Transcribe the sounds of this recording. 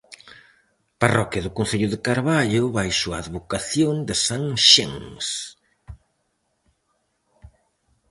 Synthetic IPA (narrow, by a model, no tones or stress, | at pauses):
parɔkjɐðʊkonθeʎʊðekaɾβaʎʊβajsuaːðβokaθjond̪esaŋʃḛŋs